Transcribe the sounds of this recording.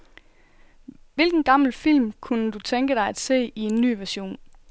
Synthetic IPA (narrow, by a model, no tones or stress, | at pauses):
ʋe̝lɡ̥n̩ɡ̥ɑ̈ml̩fil̰mkʰunəd̥ut͡sʰeŋɡ̥əɾ̥ɑ̈ɪæd̥se̝̰ːie̝nːy̰ːʋæɐɕo̝̰ːn